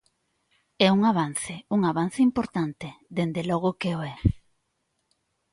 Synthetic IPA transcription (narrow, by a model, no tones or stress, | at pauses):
ɛuŋaβ̞an̟θeuŋaβan̟θeimpoɾt̪ant̪eðend̪elɔɣ̞okeoɛ